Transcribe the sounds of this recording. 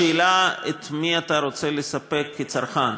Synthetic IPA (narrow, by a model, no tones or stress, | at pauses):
elaet̪miat̪aɾo̞t͡selesapekʰːet͡saɾχan